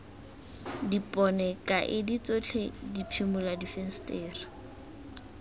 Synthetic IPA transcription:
dipʼɔnɛkʼaʔɪdit͡sot͡ɬʰedipʰimʊladifɛn̩stʼeːra

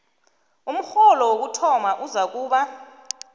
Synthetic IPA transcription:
um̩xɔlɔwok̬utʰɔmaʔuzak̬uːɓa

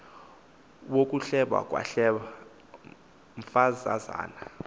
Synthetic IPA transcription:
wok̬ʼuɬɛɓa̰k̬ʼwa̰ɬɛ | ɱ̩fazaza̰ːna

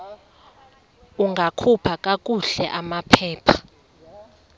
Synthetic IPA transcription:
uŋɡʱakʰupʰak̬ʼak̬ʼuɬɛʔamapʰɛːpʰḁ

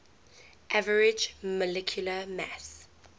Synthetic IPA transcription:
ʔavəɹɪd͡ʒməlɛkʰjuləmæ̰s

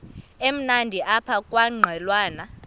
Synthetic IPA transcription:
em̩nandʱiʔapʰakʼwaŋ͡ǃʱɛlwaːna

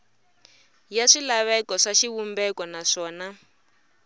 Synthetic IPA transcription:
jaʂilaβɛkɔʂaʃiβumbɛkɔnaʂɔːna

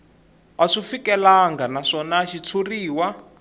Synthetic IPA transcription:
aʂifikɛlaŋɡanaʂɔnaʃit͡sʰuriːwa

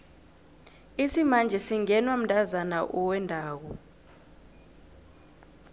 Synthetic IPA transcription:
isimand͡ʒʱɛsiŋɛnwam̩dʼʱazanaʔuwɛndʱaːk̬ɔ

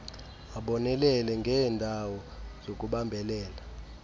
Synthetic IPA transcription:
aɓɔnɛlɛlɛŋɡʱɛːndʱawɔzok̬ʼuɓambʱɛlɛːla

